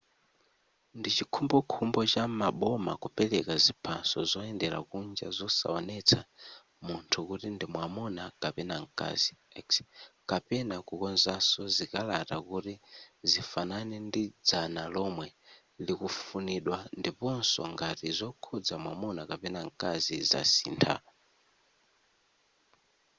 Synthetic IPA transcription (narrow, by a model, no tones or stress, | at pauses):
ndit͡ʃikʰumbɔkʰumbɔt͡ʃamaɓɔma̰kupɛlɛkazipʰa̰sɔzɔɛndɛɾa̰kund͡ʒa̰zɔsa̰ɔnɛt͡sʰa | muntʰukutindimwamɔnakapɛnaŋ̩kʼa̰ziɛkskapɛnakukɔnzasɔzikalatakutizifananɛndid͡zanalɔmwɛ | likufuniɗwandipɔnsɔ̰ŋɡatizɔkʰɔd͡zamwamɔnakapɛnaŋkaziza̰sḭːntʰa̰